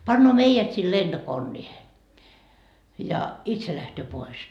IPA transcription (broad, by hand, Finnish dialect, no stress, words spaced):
pɑnːoː meijæt sil lend̥okonːiːhe jɑ itse læhtøː pois